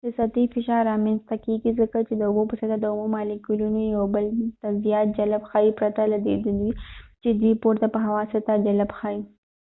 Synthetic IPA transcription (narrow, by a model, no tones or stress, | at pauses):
d̪̥əsat̪ifɪʃɑɾːɑmenst̪akeɡizəkat͡ʃed̪əʊbopəsat̪ad̪əʊmumɑlikulunojawbəlt̪azijɑt̪̚d͡ʒalabxɑjipɾat̪alad̪ḛd̪d̪wit͡ʃed̪wipoɾt̪apəɦawɑsat̪ad͡ʒalabxɑji